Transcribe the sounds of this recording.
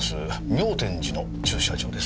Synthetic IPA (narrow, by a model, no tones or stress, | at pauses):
sɨ | mʲo̞ːt̪ẽ̞ɲd͡ʑino̞ | t͡ɕɨːɕa̰d͡ʑo̞ːd̪e̞s